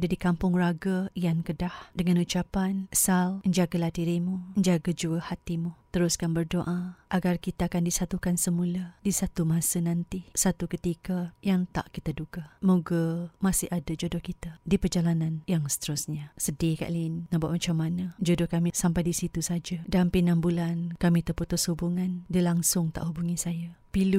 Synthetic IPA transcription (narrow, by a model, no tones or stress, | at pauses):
dadikampʊŋraɡaijankədahdəŋãnut͡ʃapanəsaləɲd͡ʒaɡalat̪iɾimuəɲd͡ʒaɡad͡ʒuəhat̪imut̪əɾʊskanbərdoʔaʔaɡarkit̪aakandisat̪ukansəmuladisat̪umasənant̪isat̪ukət̪ikajaŋt̪a̰ʔkit̪aduɡamoɡamasɪhadad͡ʒodʊhkit̪adipərd͡ʒalananjaŋsə̥t̪əɾʊsɲasədika̰ʔlinːabaʔ̚mat͡ʃamːanad͡ʒodɔhkamisampajdisit̪usad͡ʒadampinambulankamit̪əput̪ʊshubuŋandilaŋsʊŋt̪a̰ʔhubuŋisajapilu